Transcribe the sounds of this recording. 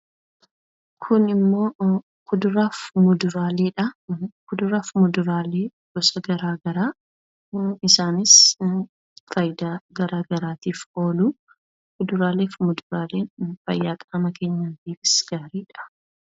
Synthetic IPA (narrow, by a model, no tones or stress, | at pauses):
kʰʊnɪmːo̞ː | kʊd̪ʊɾaːfmʊd̪ʊɾaːleːᶑɐkʊd̪ʊɾaːfmʊd̪ʊɾaːleː | ɡ̥ɔsɐɡɐɾaːɡɐɾaː | ɪsaːnɪs | fɐjɪd̪aːɡɐɾaːɡɐɾaːt̪iːfo̞ːluː | kʊd̪ʊɾaːleːfmʊd̪ʊɾaːleːfɐ̰jːaːkʼɐɐmɐkeːɲːaːt̪iːfɪsɡ̥aːɾiːᶑɐ̥